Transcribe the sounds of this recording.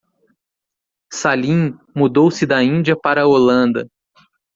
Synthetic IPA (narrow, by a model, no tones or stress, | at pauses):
salĩmud̪owsɪd̪ɐĩnd͡ʒiɐpaɾɐolɐ̃nd̪ɐ